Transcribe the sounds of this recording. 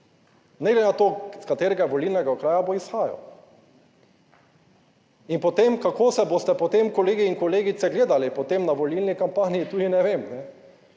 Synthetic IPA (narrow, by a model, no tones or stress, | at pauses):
nɛɡlɛnat̪oːskat̪eːɾɛɡaʋolilnɛɡakɾaːjaboisxaːja̰w | inpot̪emkakoːsɛbost̪ɛpot̪emkɔleːɡiːŋkɔleːɡit̪sɛɡleːd̪alipɔt̪emnaʋolilnikampaːniit̪uːd̪inɛʋemnɛ